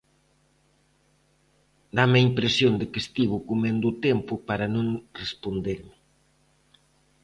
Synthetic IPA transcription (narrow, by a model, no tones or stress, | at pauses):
d̪amɐimpɾesjond̪ɪkest̪iβ̞ukumẽnd̪ut̪ɛmpʊpaɾɐnõŋrespond̪eɾmɪ